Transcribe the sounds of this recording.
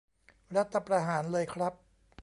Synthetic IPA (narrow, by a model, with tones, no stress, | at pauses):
ɾa˦˥t̪ʰːa˧pɾa˧ɦaː˩˦nlɤː˧jkʰɾa˦˥p̚